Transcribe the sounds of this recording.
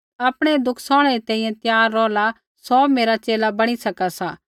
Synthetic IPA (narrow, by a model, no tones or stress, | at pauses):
aːpɽ̃ed̪ʊkʰsɔ̃ːɽ̃eɾit̪ɛ̃ːĩjɛ̃t̪jaːɾːɔːla | sɔːmeːɾat͡ʃeːlabɐɽ̃isɐkasaː